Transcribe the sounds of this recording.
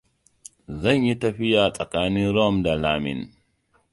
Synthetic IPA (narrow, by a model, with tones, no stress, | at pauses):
zɐ˦˨ɲji˦tɐ˨ɸɪ˦jaː˨sʼɐ˨kaː˦nɪ˦nɾɔ˦˨mda˨laː˦mɪ̰˨n